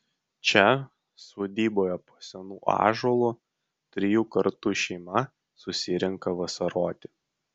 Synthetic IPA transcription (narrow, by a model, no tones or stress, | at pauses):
t͡ʃʲɛ | soːd̪ʲiːboːjɛpoːsʲɛnuːʔɑ̰ːʒoːlˠu | t̪ʲɾʲɪjuːkɐɾt̪ʊʃʲɛɪmɐ | sʊsʲɪɾʲɪŋkɐʋɐsɐɾoːt̪ʲɪ